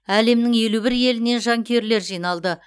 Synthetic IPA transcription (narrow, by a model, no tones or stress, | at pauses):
æle̞mnɪŋje̞lubɪɾje̞lɪne̞nʒɑŋkʲʰe̞ɾle̞ɾʒijnɑlˠd̪ə